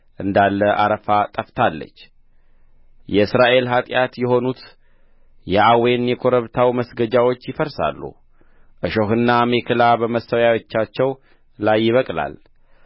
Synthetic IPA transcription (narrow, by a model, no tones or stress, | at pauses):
ʔɨnd̪alːəʔaɾəfat̪ʼəft̪ʰalːə̰t͡ʃː | jɛɨsɾaʔe̞lɦat̪ʼjat̪jɛɦo̞nut̪ | jɛʔawe̞njɛkʰo̞ɾəβt̪ʰawməsɡəd͡ʒawo̞t͡ʃːjɪfəɾsa̰lːṵ | ʔɨʃoɦɨnːamekʰɨlabəməsːəwjawot͡ʃːat͡ʃːɛw | lajːɪβəkʼla̰l